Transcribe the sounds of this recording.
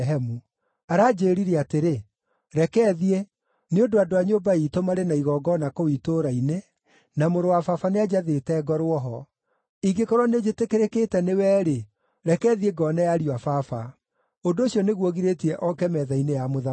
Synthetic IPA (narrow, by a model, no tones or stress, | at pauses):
ɦɛmu | aɾaːd͡ʑeːɾiɾeateɾe | ɾɛkɛðie | neondoadoaɲoːbaitomaɾenaiɣɔːɡɔnakowitoɾaine | namoɾowafafanead͡ʑaðetɛɡɔɾwɔɦɔ | iɡekɔɾwɔned͡ʑetekeɾeketɛnewɛːɾe | ɾɛkɛːðieɡɔnajaɾiwafafa | ondoːɕiɔneɣwɔɣiɾetiɛʔɔkɛmɛðainejamoða